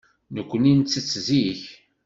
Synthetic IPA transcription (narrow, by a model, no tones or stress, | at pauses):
nəkʷːənint͡sːət͡sːziç